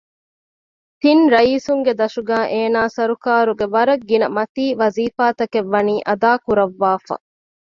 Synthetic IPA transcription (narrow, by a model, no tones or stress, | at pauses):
t̪inɾɐiːsuŋɡed̪ɐʃuɡæːʔeːnaːsɐɾukaːɾuɡeʋɐɾɐɡːinɐmɐt̪iːʋɐziːfaːt̪ɐkeʋːɐniːʔɐd̪aːkuɾɐʋːaːfɐ̰